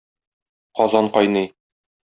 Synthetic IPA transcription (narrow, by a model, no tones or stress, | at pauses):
qɒzɑɴqɒjnɤj